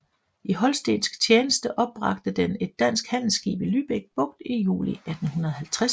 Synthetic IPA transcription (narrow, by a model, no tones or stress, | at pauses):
iɦɒ̽lsd̥ḛnsɡ̥t͡sʰjeːnəsd̥əʔɒ̽b̥ʁɑ̈ɡ̥d̥əd̥ene̝d̥ːæn̰sɡ̥hæn̰l̩sɡ̥ḭːb̥ilyːb̥eɡ̥̚b̥ɔ̽ɡ̥̚d̥ijṵːliæd̥n̩hunɐð̩ˠhɦælt͡sʰʁa